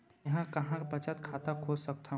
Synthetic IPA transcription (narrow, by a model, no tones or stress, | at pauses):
jɐɦãkɐɦãkpət͡ʃət̪kʰaːt̪akʰod͡ʒsəkt̪ʰa